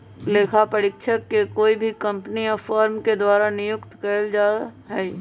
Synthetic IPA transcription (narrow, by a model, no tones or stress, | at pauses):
leːkʰapəɾɪkʃʰəkːekoːibʱikə̃mpnijɔfaːɾmked̪waːɾanɪjʊkt̪kəld͡ʒaːɦɛ